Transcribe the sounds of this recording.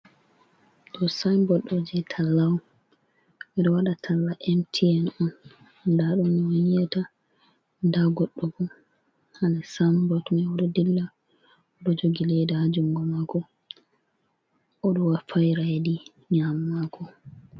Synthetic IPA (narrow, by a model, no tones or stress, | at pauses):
ɗɔsambɔɗɔd͡ʒɛtʰalːawu | mɛɗɔwaɗatʰalːaʔɛmtʰiɛnɔn | ndaɗumːwonijata | ndaɡɔɗːɔɡɔn | hanasambɔtmɛɔɗɔdilːa | ɗɔd͡ʒoɡilɛdɛhad͡ʒuŋɡɔmakɔ | ʔɔɗɔwafajɾajdi | ɲamːakʰɔ